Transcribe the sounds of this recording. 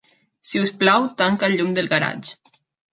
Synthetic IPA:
siusplawt̪aŋkaʎumd̪elˠɣaɾa̰t͡ʃ

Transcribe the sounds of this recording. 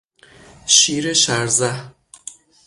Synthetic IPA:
ʃiːɾeʃæɾzæh

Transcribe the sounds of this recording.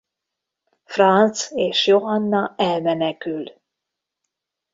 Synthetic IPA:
frɑnt̪seːʃjoɦɒnːɒɛlmɛnɛkyl

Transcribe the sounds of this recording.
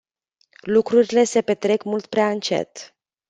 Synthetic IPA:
lukɾuɾile̞se̞pe̞t̪ɾe̞kmult̪pɾeaɨnt͡ʃe̞̰t̪

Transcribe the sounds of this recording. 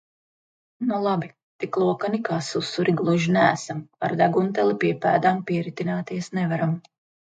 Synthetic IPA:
nulˠabi | t̪iklˠuɔkanikaːsusːuɾʔiɡlˠuʒinæːsama̰ɾd̪æɡunt̪ɛlˠipiɛpæːd̪ampiɛɾit̪inaːt̪iɛsnɛvaɾam

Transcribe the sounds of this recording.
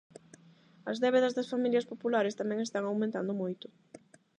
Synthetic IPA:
ɐzðɛβ̞eðɐzðɐsfamiljɐspopulaɾest̪amɛ̃ŋest̪aŋawmẽnt̪and̪ʊmojt̪ʊ̥

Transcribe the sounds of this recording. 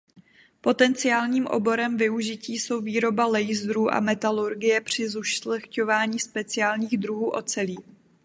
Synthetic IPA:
po̞t̪ɛnt͡sɪjaːlɲiːmʔo̞̰bo̞ɾɛmvɪuʒɪciːso̞wviːɾo̞balɛjzɾuːʔa̰mɛt̪aluɾɡɪjɛpr̝̥ɪzuʃlɛxco̞vaːɲiːspɛt͡sɪaːlɲiːɣd̪ɾuɦuːʔo̞̰t͡sɛliː

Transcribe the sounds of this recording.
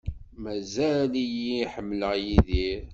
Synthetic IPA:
mæzælijiħəmːləʁjiðiɾ

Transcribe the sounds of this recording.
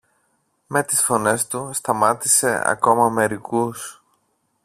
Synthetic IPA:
me̞t̪isfo̞ne̞st̪ust̪ɐmɐt̪ise̞̰ɐ̰ko̞mɐme̞ɾikus

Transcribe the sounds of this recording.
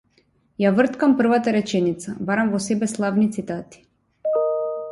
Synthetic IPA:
javr̩t̪kampr̩vat̪aɾɛt͡ʃɛnit̪sabaɾamvɔsɛbɛslˠavnit̪sit̪at̪i̥

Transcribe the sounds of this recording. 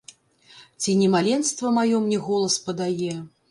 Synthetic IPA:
t͡sʲinʲɛmalʲɛnst̪vɐmajɔmnʲɛɣɔlˠɐspɐd̪ajɛ

